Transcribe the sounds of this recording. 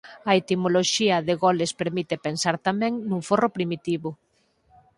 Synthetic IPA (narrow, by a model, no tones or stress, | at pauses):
ɐet̪imoloʃiɐðɪɣɔlespeɾmit̪epensaɾt̪amɛ̃ŋnuŋforopɾimit̪iβʊ